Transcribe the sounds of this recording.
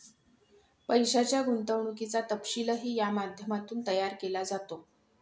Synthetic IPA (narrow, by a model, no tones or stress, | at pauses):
pəjɕat͡ɕjaɡunt̪əʋɳukit͡sat̪əpɕiləɦiːjamad̪ʱjəmat̪uːnt̪əjaɾkelad͡zat̪o